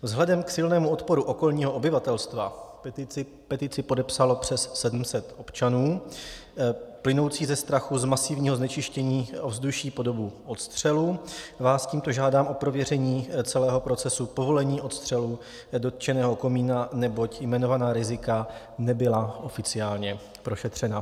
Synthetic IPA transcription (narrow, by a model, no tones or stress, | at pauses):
vzɦlɛdɛmksɪlnɛːmuo̞t̪po̞ɾuʔoko̞lɲiːɦoʔobɪvat̪ɛlst̪va̰ | pɛt̪ɪt͡sɪpo̞dɛpsalo̞pr̝̥ɛsːɛdm̩sɛt̪ʔo̞pt͡ʃanuː | plɪno̞wt͡siːzɛst̪ɾaxuzmasɪvɲiːɦo̞znɛt͡ʃɪʃcɛɲiːʔo̞vzduʃiːpo̞do̞buʔo̞t̪st̪r̝̥ɛluvaːsciːmt̪o̞ʒaːdaːmʔo̞pɾo̞vjɛrɛɲiːt͡sɛlɛːɦo̞pɾo̞tt͡sɛsupo̞vo̞lɛɲiːʔo̞t̪st̪r̥ɛlu | do̞t̪̚t͡ʃɛnɛːɦo̞ko̞miːnanɛbo̞cjmɛno̞vanaːɾɪzɪka | nɛbɪlaʔo̞fɪt͡sɪaːlɲɛ | pɾo̞ʃɛt̪r̝̥ɛna